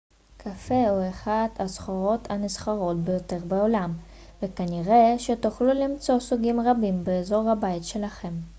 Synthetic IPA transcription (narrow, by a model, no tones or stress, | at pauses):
kʰafe̞oeχad̪asχoʁo̞tʰanisχaʁo̞tbe̞jo̞te̞ʁbeolam | ve̞kaniʁe̞ʃe̞tuχlulimt͡so̞suɡimʁabimbeːzo̞ʁhabaitʃe̞laχe̞m